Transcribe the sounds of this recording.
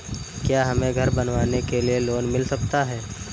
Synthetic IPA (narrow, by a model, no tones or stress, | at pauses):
kjaːɦɐmẽɡʱɐɾbɐnʋaːnekelieloːnmɪlsɐk̚t̪aɦɛː